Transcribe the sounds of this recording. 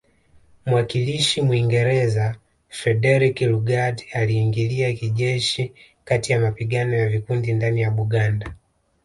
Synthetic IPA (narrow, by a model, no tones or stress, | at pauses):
muwakiliʃimwiŋɡɛɾɛza | fɾɛdɛɾikluɡadaliːŋɡiliakiʄɛʃikatijamapiɡanɔjavikundindanijaɓuɡanda